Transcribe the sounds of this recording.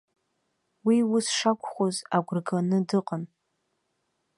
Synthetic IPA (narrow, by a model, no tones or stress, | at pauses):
wiwʊsʂakʷʰʼχʷozaɡʷrɡanɨdɨqʼən